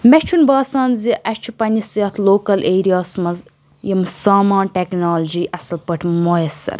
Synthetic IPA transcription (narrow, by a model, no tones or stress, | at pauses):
mɛt͡ʃʰunbaːsaːnziʔɐʃt͡ʃʰipɐnʲisjɐt̪ʰloːkɐlʔeːɾijaːsmɐz | jimsaːmaːnʲʈeknaːlɐd͡ʒiːʔɐsɐlpɐʈʰmojɐsɐ̰ɾ